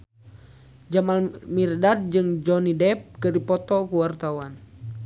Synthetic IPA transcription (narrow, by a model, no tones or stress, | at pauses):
d͡ʒamalmirdard͡ʒɨŋd͡ʒɔnidɛp̚kɨdipɔt̪ɔkuwart̪awan